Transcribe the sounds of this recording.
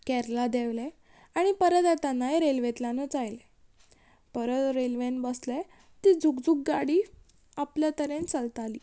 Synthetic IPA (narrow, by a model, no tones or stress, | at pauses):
kɛɾlad̪eʋle | aɽ̃ipəɾət̪at̪anːaeɾelʋet̪lanət͡sajle | pəɾət̪ɾelʋenbəsle | t̪id͡zʱukd͡zuk̚ɡaɽiː | apljat̪əɾẽnt͡səlt̪aliː